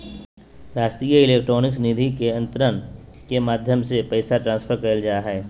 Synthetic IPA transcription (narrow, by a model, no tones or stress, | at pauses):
ɾaːst̪ijəɪleːk̚ʈɾoːnɪksənɪd̪ʱikeɐ̃nt̪ɾən | kemaːd̪ʱjəmsepɛɪsaʈɾãːnspʰəɾkɐəld͡ʒaːaɦɛː